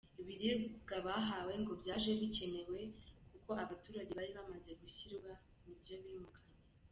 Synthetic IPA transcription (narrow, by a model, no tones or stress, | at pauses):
iβiɾibɡaβaɦawe̞ŋɡo̞bɟaːʒe̞βice̞ne̞we̞kuko̞ʔaβatuːɾaɟe̞βaɾiβamaze̞ɡuçiɾɡwa | nibjo̞βimukaɲe